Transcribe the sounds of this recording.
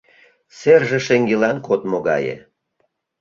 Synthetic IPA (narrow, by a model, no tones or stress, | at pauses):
serʒĕʃeŋɡelɑnkot̪moɣɑ̰jḛ